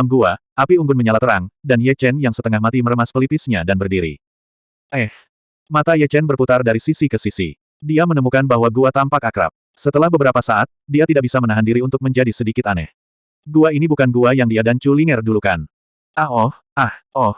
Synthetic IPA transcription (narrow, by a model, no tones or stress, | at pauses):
amɡuaʔapiuŋɡʊnməɲalat̪əɾa̰ŋdanjɛt͡ʃɛnjaŋsət̪əŋahmat̪iməɾəmaspəlipisɲadanbərdiɾḭ | ʔɛh | mat̪ajɛt͡ʃɛnbərput̪ardaɾisisikəsisḭ | diamənəmukanbaɦwaɡuat̪ampakakəɾa̰p̚ | sət̪əlahbəbəɾapasaʔat̪̚diat̪idaʔbisamənaɦandiɾiunt̪ʊk̚məɲd͡ʒadisədikɪt̪anɛ̰h | ɡuainibukanɡuajaŋdiadant͡ʃuliŋɛrdulukan | ʔaɔh | ʔahʔɔh